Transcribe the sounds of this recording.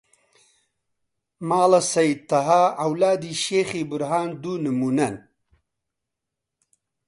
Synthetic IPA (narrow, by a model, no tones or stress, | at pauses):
maːlɐsɐjit̪ɐɦaɐwlaːd̪iːʃeːxiːbʊɾɦaːnd̪unɨmuːnɐn